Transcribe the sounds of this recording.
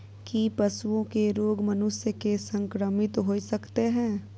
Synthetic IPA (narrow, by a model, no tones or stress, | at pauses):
kipɐsuõkeɾoːɡmɐnʊsjəkesə̃ŋkɾəmɪt̪ɦoːisɐkt̪eɦɛ̃ː